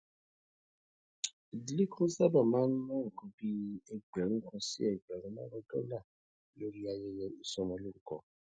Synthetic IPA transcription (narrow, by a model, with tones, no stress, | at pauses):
i˨di˨˦li˦kʰũ˦sa˦ba˦˨mãː˦n̩˦nã˦ŋ̩˨kũ˨˦bi˧ɛ˨ɡ͡bɛ˨ɾ̃ũ˦kɔ̃˧sḭ˦ɛ˨ɡ͡bɛ˨ɾ̃ũ˨˦lã˦ɾɔ̃˧dɔ˦la˦˨˦ | lo˦ɾi˦a˨jɛ˦jɛ˧i˨˧sɔ˧mɔ̃˧lo˦ɾũ˨˦kɔ˨